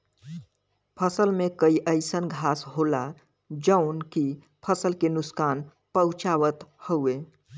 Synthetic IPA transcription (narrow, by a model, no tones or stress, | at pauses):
pʰəsəlmẽkəiʔəɪsənɡʱaːsɦoːla | d͡ʒəʊnki | pʰəsəlkenʊskaːn | pəʊt͡ʃaːʋət̪howeː